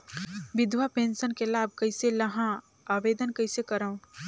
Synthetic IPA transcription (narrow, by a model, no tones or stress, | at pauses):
ʋɪd̪ʱwapẽːnʃənkelaːb̚ʱkɐɪselɐɦã | aːʋeːd̪ənkɐɪsekɐɾaːũ